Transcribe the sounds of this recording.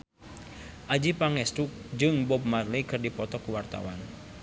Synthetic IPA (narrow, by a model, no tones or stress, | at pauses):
ʔad͡ʒipaŋɛst̪uk̚d͡ʒɨŋbɔb̚marlikɨrdipɔt̪ɔkuwart̪a̰wa̰n